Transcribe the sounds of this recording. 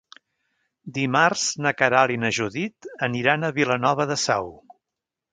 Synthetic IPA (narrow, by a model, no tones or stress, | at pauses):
d̪imarz̥nəkəɾalinəʒuðit̪əniɾanəβilənɔβəðəsɛw